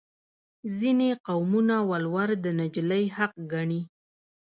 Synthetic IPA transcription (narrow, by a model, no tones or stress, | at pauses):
zineqawmunawalwaɾd̪ənad͡ʒləjhaq̚ɡaɳi